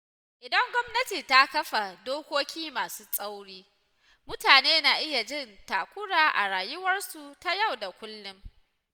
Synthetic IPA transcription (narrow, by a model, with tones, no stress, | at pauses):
ʔɪ˨dɐ˦ŋɡʷɔ˦mnɐ˦tiː˨ta˦kɐ˦ɸa˨doː˦kʷoː˦kʲʰiː˦maː˨suː˦sʼa˦wɽiː˦ | mʊ˦taː˨neː˦na˨ʔɪ˦ja˨d͡ʒɪ˦˨ntaː˨kʷʊ˦ɽaː˨ʔa̰˨ɽaː˨jʊ˦wɐ˦rsu˨ta˦ja˦˨wda˨kʷʊ˦lːʊ˦m